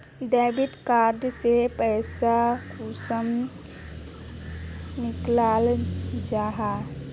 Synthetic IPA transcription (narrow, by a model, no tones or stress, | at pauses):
ɖɛːbiʈkaːɾdsepɛːsakuːsəm | nɪklaːld͡ʒaːɦa